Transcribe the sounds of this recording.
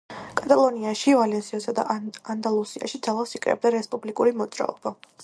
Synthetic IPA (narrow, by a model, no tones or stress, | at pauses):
kʼat̪ʼalˠɔniaʃivalɛnsiɔsad̪a̰ʔand̪alˠusia̰ʃid̪zalˠasikʼɾɛ̰b̚d̪aɾɛspʼublikʼuɾimɔt̪zʼɾa̰ɔb̥a